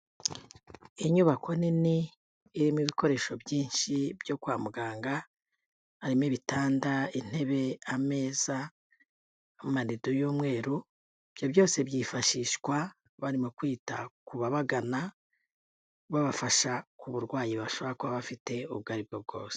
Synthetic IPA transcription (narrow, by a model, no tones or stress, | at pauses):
iɲuβakʰo̞niniː | ɾimiβiko̞ɾe̞ʃo̞bjiːnʃibjo̞kwaːmuɡaːŋɡaː | ɾimiβitaːndain̥he̞βe̞ame̞ːz̥a | manidojuːmŋe̞ːɾu | ib̥jo̞βjo̞ːse̞bjiːfaʃiːʃkwa | βaɾimokwiːta̰kuβaβaɡana | βaβafaʃakuβuɾɡwaːjiβaʃoβakwaβafite̞uβɡaːɾib̚ɡob̚ɡo̞̰ːse̥